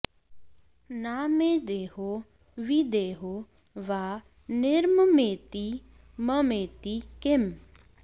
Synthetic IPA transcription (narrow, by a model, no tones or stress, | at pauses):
naːmed̪eːɦo | ʋid̪eːɦo | ʋaː | nɪɾməmeːt̪i | məmeːt̪ikɪm